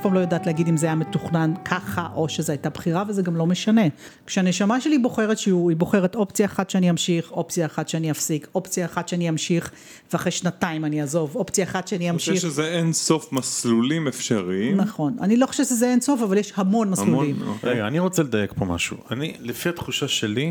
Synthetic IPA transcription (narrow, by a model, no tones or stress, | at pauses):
afpaːmlojodaːtlehaɡidimzeajame̞tuχnankʰaχaʔo̞ʃezeajtabχiʁavezeɡamlo̞me̞ʃane̞ | kʃeane̞ʃamaʃelibo̞χe̞ʁet̪ʃeuibo̞χe̞ʁe̞to̞pt͡sijaːχat̪ʃeaniamʃiχo̞pt͡sijaːχatʃeaniafsiko̞pt͡sijaːχatʃeaniamʃiχ | veaχʁejʃnataimaniazo̞vo̞pt͡sijaχat̪ʃeaniamʃiʃezeenso̞fmaslulimefʃaʁinaχo̞na̰nilo̞χoʃevʃezeenso̞favaljeʃhamo̞nmasslulimʁeɡaːniʁo̞t͡seled̪ajekpoma̰ʃṵanilefiat̪χuʃaʃeli